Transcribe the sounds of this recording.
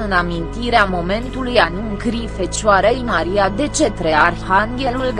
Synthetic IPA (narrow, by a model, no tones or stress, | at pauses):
ɨnd̪amint̪iɾeamo̞me̞nt̪ulujanuɨŋkɾife̞t͡ʃoaɾeimaɾijad̪e̞t͡ʃe̞t̪ɾearhaŋɡʲelulɡ